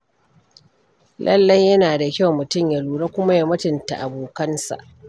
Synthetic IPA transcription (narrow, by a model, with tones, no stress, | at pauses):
lʔɐ̰˦lːɐ˦jːɐ˦naː˨da˨kʲa˦˨wmʊ˨tʊ˦˨mja˨luː˨ɽa˦kʷʊ˦ma˦ja˨mɐ˦tɪ˨nta˨ʔa˨boː˨kɐ˦nsa̰˨ʔ